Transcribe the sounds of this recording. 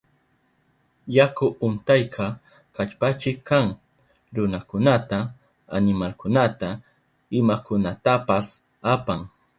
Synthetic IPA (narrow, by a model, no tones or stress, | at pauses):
jakʊʔʊnt̪ajkʰɑ | kat͡ʃpat͡ʃɪkːaŋ | ɾʊnakʊnat̪aː | nɪmalkʊnat̪a | ɪmakʊnat̪apas | apaŋ